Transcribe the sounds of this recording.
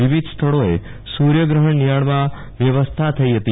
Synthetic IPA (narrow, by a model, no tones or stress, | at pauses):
ʋiʋid̪ʱst̪ʰəɭoe | suɾjəɡɾəɦəɳːijaɽmã | ʋjəʋəst̪ʰat̪ʰəiɦət̪i